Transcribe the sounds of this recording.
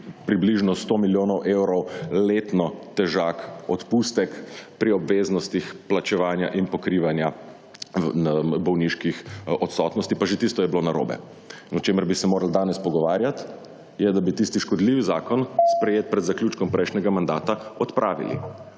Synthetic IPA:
pɾibliʒnɔst̪omiljoːnɔwʔewɾɔwlet̪nɔt̪ɛʒaːkɔt̪pust̪ɛkpɾiɔbʋeznɔst̪ixplat͡ʃɛʋaːnja̰ʔinpɔkɾiʋanja | bɔwniʃkixɔt̪sɔt̪nɔst̪ipaʒet̪ist̪ɔjɛblonaɾo̰ːbɛ̰ | nɔt͡ʃeməɾbisɛmoːɾald̪aːnɛspɔɡɔʋaːɾjat̪ | jɛd̪abit̪ist̪iʃkɔd̪liːʋizaːkɔnspɾɛjeːt̪̚pɾɛd̪zakljuːt͡ʃkɔmpɾɛjʃnʲɛɡamand̪aːt̪aɔt̪pɾʔaːʋḭlḭ

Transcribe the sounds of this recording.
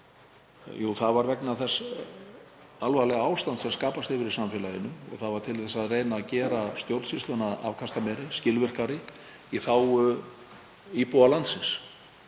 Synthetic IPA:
juːwθaðvaɾvɛknaθɛsː | alvalɛɣaːwst̪ant̪sɛmskaːpast̪ɪvɪɾisamfɛlajɪnʏɔ̰ɣθaðvaɾt̪ʰɪlθɛsːaðreːjnaːcɛːɾast̪jowɾt̪sɪst̪ʏnaa̰vkʰast̪amɛɾɪscɪlvɪr̥kaɾɪ | iθaw | ipualant̪sɪns

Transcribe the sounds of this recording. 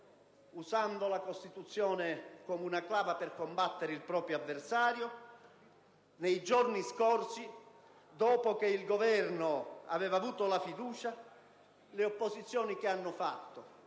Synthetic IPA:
usand̪olakost̪it̪ut̪sːjɔːnɪkomunaklaːvapɪrkombat̪ːeɾeilpɾɔːpɾjoavːersaːɾjo | nejd͡ʒorniskorsi | d̪ɔːpok̟eilɡovɛrnoa̰vɛːvaːvuːt̪olafid̪uːt͡ʃa | leopːozit̪sːjɔːnik̟eanːʊfat̪ːo

